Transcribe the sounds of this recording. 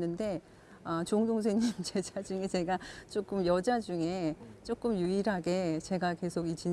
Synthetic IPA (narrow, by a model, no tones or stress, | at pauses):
nːɯnde̞ | ʌt͡ɕoŋdoŋs̬ʰeŋɲimt͡ɕe̞d͡ʑad͡ʑuŋe̞t͡ɕe̞ɡat͡ɕ͈ok͈ɯmjʌd͡ʑad͡ʑuŋe̞t͡ɕ͈ok͈ɯmjuiɾɦaɡe̞t͡ɕe̞ɡake̞sʰoɡit͡ɕin